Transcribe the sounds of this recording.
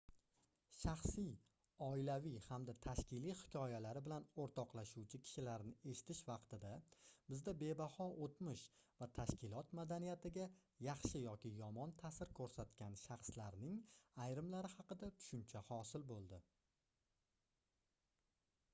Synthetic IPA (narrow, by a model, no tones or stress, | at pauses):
ʃɑχsɪj | ɒɪlavijhamd̪at̪ʰaʃkʲɪlijhɪ̥kʲʰɒjalaɾɪbɪlanoɾt̪ʰɒqlˠaʃuwt͡ʃʰɪkʲʰɪ̥ʃɪlaɾnɪe̞ʃɪ̥t̪ʰɪʃvɑqt̪ɪd̪abɪzd̪abe̞bahɒʔot̪mɪʃvat̪ʰaʃkʲɪlˠɒt̪mad̪anijat̪ɪɡʲa | jɑχʃɪjɒkʲʰɪjɒmɒnt̪ʰasɪɾkʰɵɾsat̪kʲanʃɑχslaɾnɪŋajɾɪmlaɾɪhɑqɨd̪at̪ʰʊ̥ʃʊmt͡ʃʰahɒsɪlbolˠd̪ɪ